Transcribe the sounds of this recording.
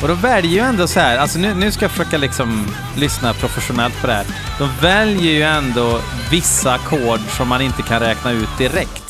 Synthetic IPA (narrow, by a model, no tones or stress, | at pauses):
ɔd̪ɔmvɛljəɾjɵɛnd̪oːsɔhæːɾalsɔnʉ̟ːnʉ̟ːskajafəʂøːkalɪksɔm | lʏsnapʰɾʊfɛɧʊnɛlt̪̚pʰɔɖ̪ɛhæːɾ | d̪̥ɔmvɛljəɾjɵɛnd̪oː | vɪsːakʰoːɖʂɔmːanɪnt̪əkʰanɾɛːknaʉ̟ːt̪̚d̪ɪɾɛkt̪